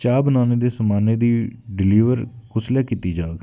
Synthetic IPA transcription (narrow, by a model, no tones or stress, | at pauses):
t͡ʃaːbnaːneːd̪eːsəmaːneːd̪iːɖɪliːʋəɾkʊsleːkit̪iːd͡ʒaːɡ